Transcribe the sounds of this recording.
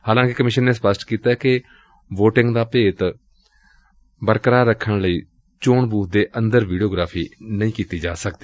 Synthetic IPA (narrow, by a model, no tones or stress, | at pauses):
haːlãːkɪkəmɪʃənːeːspəsʈkiːt̪aːkɪ | ʋoːʈɪŋɡd̪aːpeːt̪ | bəɾkəɾaːɾəkʰːəɳləiː | t͡ʃoːɳbuːd̪eːʔənd̪əɾʋiːɖioːɡɾaːpʰiːnəĩːkiːt̪iːd͡ʒaːsəkd̪iː